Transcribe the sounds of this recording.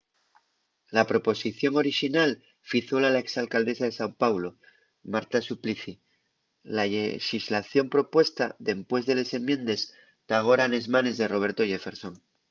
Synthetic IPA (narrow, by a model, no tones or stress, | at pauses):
lapɾo̞po̞siθjo̞ŋo̞ɾiʃinal | fiθolalae̞ksalkald̪e̞saðe̞sampawlo̞ | maɾt̪asupliθi | laʎexizlaθjo̞mpɾo̞pwe̞st̪aðe̞mpwe̞zðe̞le̞se̞mjẽ̞nd̪e̞s | t̪aɣ̞o̞ɾane̞zmane̞zðe̞ro̞βe̞ɾt̪ojefe̞ɾso̞ŋ